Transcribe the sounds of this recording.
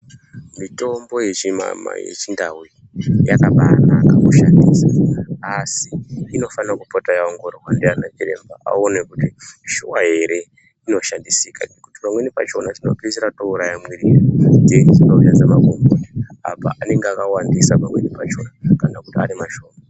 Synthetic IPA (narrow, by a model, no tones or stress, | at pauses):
mito̞mbo̞je̞t͡ʃima̰ma̰jḛt͡ʃindawi | jakaɓanakakuʃandiːsaasiːno̞fanakupotajaoŋɡoɾowandianat͡ʃiɾe̞̰mbaa̰onekutiʃuwaɦe̞ɾe̞ | ino̞ʃandisika̰nekuti̥pamwenipat͡ʃo̞nat͡ʃino̞piziɾatouɾajamwiɾirand͡zeʐinoujad͡zamakumbia̰pa̰ane̞ŋɡeakawandisapamwe̞nipat͡ʃo̞nakanakutia̰nimaʃo̞ːma